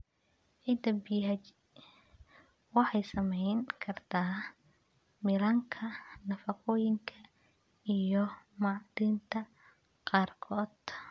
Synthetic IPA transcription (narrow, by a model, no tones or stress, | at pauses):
ʕɪd̪ɐbɪjɦɐt͡ʃ | wɑħɑjsɐmɛjŋkʰɐrt̪ʰaː | mɪlɐŋkʰɐnɐfɑqɔːjɪŋkʰɐ | ijɔmɑʕd̪iːnt̪ʰɐ | qɑːrkʰɔːd̪̥